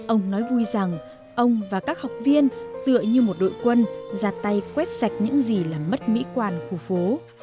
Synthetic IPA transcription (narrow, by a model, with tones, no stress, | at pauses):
ʔə˧wŋ͡mnɔ˨˦jvu˧jza˨˩ŋ | ʔə˧wŋ͡mvaː˨˩kaː˦˥k̚ha˨˩wk͡p̚vi˧ənt̪ɨ̰˧˨əɲɨ˧mo˨˩t̚ɗo̰˧˨jkwə˧nzaː˨˩t̚t̪a˧jkwɛ˦˥t̚sa˨˩jk̟̚ɲɨ̰˧˥ŋzi˨˩laː˨˩mːə˦˥t̚mḭ˧˥kwaː˧˩nxu˧˩fo˨˦